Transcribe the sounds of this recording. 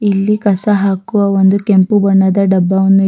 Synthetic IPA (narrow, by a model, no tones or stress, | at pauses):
ilːikɐsɐɦaːkuʋɐʋond̪ukempubɐɳːɐd̪ɐɖɐbːɐʋɐnːu